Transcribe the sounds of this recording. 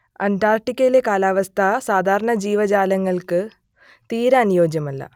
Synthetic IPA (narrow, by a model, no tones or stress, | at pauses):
ɐntaːrʈikʲːɐlekaːlaːʋɐst̪ʰɐsaːd̪ʱaːɾɐɳɐd͡ʑiːʋɐd͡ʑaːlɐŋːɐɭkɨ | t̪iːɾaːnjo̞ːd͡ʑjɐmɐlːɐ̰